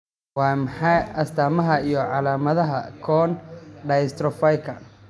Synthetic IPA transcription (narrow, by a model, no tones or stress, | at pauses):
wɑːmɐħɑjʔɐst̪ʰaːmɐɦɐijɔʕɑlaːmɐðɐɦɐkʰɔːnɖɐjst̪ɾɔfɐjkʰɐ̰n